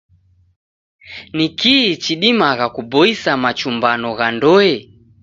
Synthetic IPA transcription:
nikiːt͡ʃiɗimaɣakubɔisamat͡ʃumbanɔɣandɔɛ

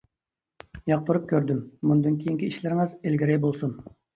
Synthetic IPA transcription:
jɑq̚t̪ʰoɾup̚kʲøɾd̪ymːund̪ɨnkʲʰejiŋkʲiiʃlɪɾɪŋɨzelɡʲiɾɛjbolˠsun

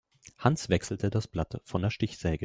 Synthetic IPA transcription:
hansv̥ɛksl̩tʰədasb̥latfɔndeɐʃtɪçz̥ɛːɡə

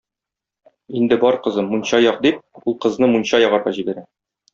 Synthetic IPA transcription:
ind̪ɘbɒɾqɤ̆zɤmːunɕɑjɒqd̪ip̚ulˠqɤ̆znɤmunɕɑjɒʁɑɾʁɑ̰ʑibæɾæ

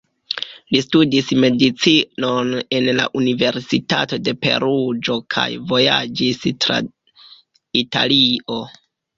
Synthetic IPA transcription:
listudisme̞dit͡sinone̞nla̰ʔunive̞ɾsitato̞de̞pe̞̰ɾud͡ʒo̞kʰa̰jvo̞ja̰d͡ʒistɾa̰ | ita̰lio̞

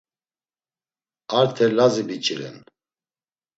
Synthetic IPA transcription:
aɾt̪ʰɛlazibit͡ʃʼiɾɛ̰n

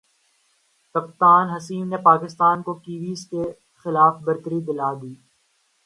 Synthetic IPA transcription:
t̪ɐp̚t̪aːnɦɐsiːmnepaːkɪst̪aːnkokiːʋiːske | xɪlaːfbɐɾt̪əɾid̪ɪlaːd̪iː

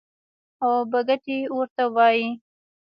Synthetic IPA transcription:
obaɡaʈiwɾt̪awɑji

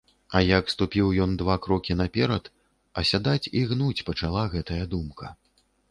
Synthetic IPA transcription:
ɐjɐkst̪upʲiwjɔnd̪vakɾɔkʲinɐpʲɛɾɐt̪ | ɐsʲad̪at͡sʲiɣnut͡sʲpɐt͡ʂalˠaɣɛt̪ɐjɐd̪umkʰɐ

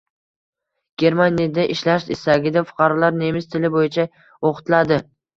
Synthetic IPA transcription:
ɡ̥ʲe̞ɾmanijad̪aʔɪʃlaʃɪst̪aɡʲɪd̪afʊ̥qʰɑɾɒlaɾne̞mɪst̪ʰɪlɪbojɪt͡ʃʰa | oqʰʊ̥t̪lad̪ɪ

